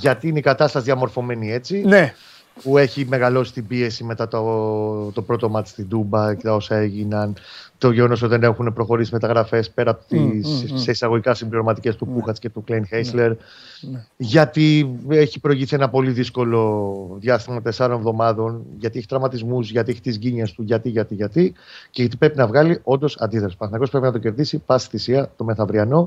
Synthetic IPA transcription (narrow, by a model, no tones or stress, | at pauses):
ʝɐt̪iineikɐt̪ɐst̪ɐsðjɐmo̞ɾfo̞me̞nie̞t͡sine | pue̞çime̞ɣɐlo̞si̥t̪ibie̞sime̞t̪ɐt̪ot̪o̞pɾo̞t̪o̞mɐt̪i̥st̪ind̪umbɐt̪ɐosɐe̞ʝinɐnt̪o̞ʝeɣo̞no̞s̬ot̪iðene̞xune̞pɾo̞xo̞ɾisime̞t̪ɐɣɾɐfe̞spe̞ɾɐːpot̪isseisɐɣo̞ʝikɐsimbliɾo̞mɐt̪ice̞st̪upuxɐt͡sce̞t̪uklejnxesle̞ɾ | ʝɐt̪ieçipɾo̞iʝisie̞nɐpo̞liðisko̞lo̞ðjɐst̪imɐt̪esɐɾonevðo̞mɐðo̞nʝɐt̪ieçi̥t̪ɾɐmɐt̪izmuzʝɐt̪ieçi̥t̪izʝiɲest̪uʝɐt̪iʝɐt̪iʝɐt̪ice̞ʝɐt̪̬ipɾe̞pinɐvɣɐlio̞nd̪o̞sɐnd̪iθɾɐspɐθnɐkospɾepinɐt̪oce̞ɾðisipɐst̪i̥θisiɐt̪o̞me̞θɐvɾiɐno̞